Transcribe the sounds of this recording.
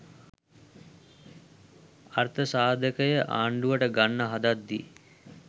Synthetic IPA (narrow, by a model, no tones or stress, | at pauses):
art̪əsaːd̪ʱəkəjəʔa̰ːɳɖuʋəʈəɡanːəɦad̪ad̪ːi